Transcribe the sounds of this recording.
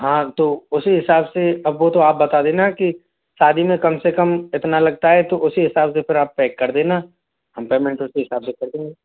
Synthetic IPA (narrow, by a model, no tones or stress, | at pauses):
ɦãːt̪oːʊsiɦɪsaːbseɐbʋot̪oaːp̚bɐt̪ad̪eːnaki | saːd̪ʱimẽkɐmsekɐmɪt̪nalɐɡ̚t̪aɦɛt̪oʔʊsiɦɪsaːbsepʰɪɾaːpːɛːkːɐɾd̪eːna | ɦɐmpeːmẽɳʈʊsiɦɪsaːbsekɐɾd̪ẽːŋɡe